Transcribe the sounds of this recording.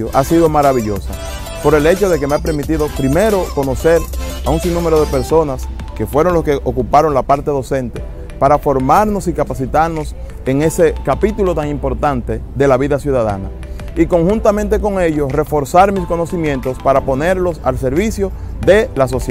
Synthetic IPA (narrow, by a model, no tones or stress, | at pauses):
oʔasiðo̞maɾaβiʎo̞sa | po̞ɾe̞le̞t͡ʃo̞ðe̞kemeape̞ɾmit̪iðo̞pɾime̞ɾo̞ko̞no̞se̞ɾauŋsiŋnũmeɾo̞ðepe̞ɾso̞nas | ke̞fwe̞ɾo̞ŋloskeʔokupaɾo̞ŋlapaɾt̪eðo̞sẽ̞nt̪e̞ | paɾafo̞ɾmaɾno̞sikapasit̪aɾno̞s | eŋe̞se̞kapit̪ulo̞t̪aŋimpo̞ɾt̪ant̪e̞ðe̞laβiðasjuðaða̰na̰ | iko̞ŋhunt̪amẽnt̪e̞ko̞ŋe̞ʝo̞sre̞fo̞ɾsaɾmisko̞no̞simjẽ̞nt̪o̞spaɾapo̞ne̞ɾlo̞sa̰lse̞ɾβisjo̞ | ðe̞laso̞s